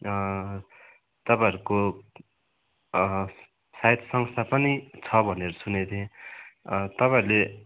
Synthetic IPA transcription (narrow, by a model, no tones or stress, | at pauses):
t̪ʌpãɦʌɾuko | sajt̪sʌŋst̪apʌnit͡sʰʌbʱʌneɾʌsunet̪ʰẽ | t̪ʌpãɦʌɾle